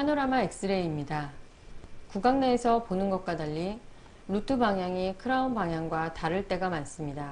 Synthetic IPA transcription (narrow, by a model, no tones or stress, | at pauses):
hanoɾamaek̚s͈ɯɾe̞imɲida | kuɡaŋneːsʰʌponɯnɡʌk̚k͈wadaʎːi | ɾutʰɯbaŋɦjaŋikʰɯɾaunbaŋɦjaŋɡwataɾɯɭt͈e̞ɡamans͈ɯmɲida